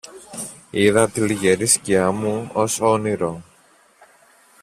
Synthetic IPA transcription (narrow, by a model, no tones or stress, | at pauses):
iðɐt̪iliʝeɾisciɐmuosoniɾo